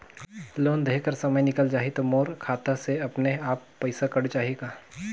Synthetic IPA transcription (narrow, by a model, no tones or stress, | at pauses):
loːnd̪ʱeːkəɾsɐməjnɪkəld͡ʒaːɦit̪omoːɾkʰaːt̪aseɐpneaːpːɐɪsakɐɽt͡ʃaːɦiekaː